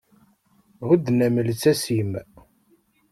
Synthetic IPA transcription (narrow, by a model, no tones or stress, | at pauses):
ʁud̪næməlt͡sːæsim